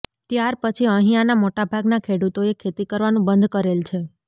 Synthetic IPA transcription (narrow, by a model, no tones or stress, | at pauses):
t̪jaɾpət͡ʃʰiəɦĩanamoʈabʱaɡnakʰeɽut̪oekʰet̪ikəɾʋanũbənd̪ʱkəɾelt͡ʃʰe